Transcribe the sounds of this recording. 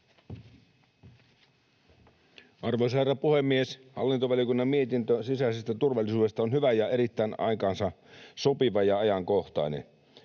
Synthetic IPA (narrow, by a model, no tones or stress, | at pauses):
ʔɑrʋoisherːɑpuhemːieshɑ̰lːint̪oʋæljokunːɑmmiet̪int̪øsisæisest̪æt̪urʋɑlːisuːdest̪ɑonhyʋæjɑe̞ɾit̪ːæːnɑ̰ikɑːnsɑ | sopiʋɑjɑɑjɑŋkoht̪ɑ̰inḛn